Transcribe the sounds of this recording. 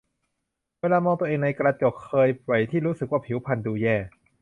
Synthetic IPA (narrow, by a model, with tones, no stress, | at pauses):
weː˧laː˧mɔː˧t̪u˧ə˧ʔeː˧ŋna˧jkɾa˧t͡ɕo˨˩k̚kʰːɤː˧jwa˨˩jt̪ʰiː˥˩ɾuː˦˥sɯ˨˩k̚waː˥˩pʰi˨˩˦wpʰa˧˩nduː˧jɛː˥˩